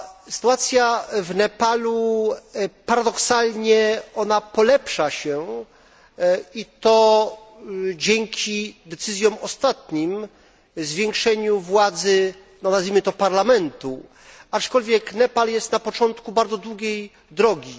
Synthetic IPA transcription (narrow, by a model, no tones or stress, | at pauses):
sɘ̥t̪uat̪sʲjavnɛpalu | paɾad̪ɔksalɲɛɔnapɔlɛpʂaɕɛ | it̪ɔ | d͡ʑɛŋkʲʰid̪ɛt̪sɘzʲjɔ̃wɔst̪at̪ɲim | zvʲjeŋkʂɛɲuvwad̪zɘ | nɔnazvʲimɘt̪ɔpaɾlamɛnt̪u | at͡ʂkɔlvʲjɛknɛpaljɛst̪napɔt͡ʂɔnt̪kubaɾd̪zɔd̪wuɡʲej | d̪ɾɔɡʲi